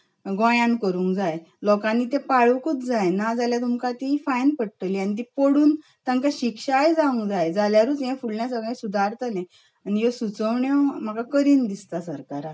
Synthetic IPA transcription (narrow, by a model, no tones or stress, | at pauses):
ɡɔ̃jãnkəɾũːŋkd͡zaj | lɔkãnːit̪ẽpaɭukut͡s̪d͡zajnad͡zaljat̪umkat̪ifajnpəɽʈ̪əlianit̪̬ipoɽuːn | t̪ãŋkaɕikʂajd͡zaũŋkd͡zajd͡zaljaɾuːt͡sɦɛ̃fulɳjasəɡɭẽsud̪ʱaɾt̪anẽ | anijosut͡səʋɳjɔm̤akakəɾiːnd̪ist̪asəɾkaɾa